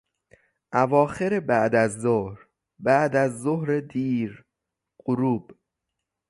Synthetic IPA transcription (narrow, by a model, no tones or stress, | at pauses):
ʔævɒːxeɾebæʔd̪æzːohɾ | bæʔd̪æzːohɾed̪iːɾ | ɢ̥oɾuːb̥